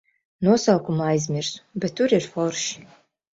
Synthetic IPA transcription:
nuɔsawkumajzmʲɪrsbɛt̪ʰːuɾirfɔwrʃ

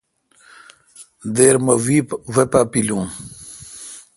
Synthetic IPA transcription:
d̪eːɾmɐwipwepapilũ

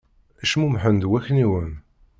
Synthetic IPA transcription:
æʃmumħənd̪wæçniwən

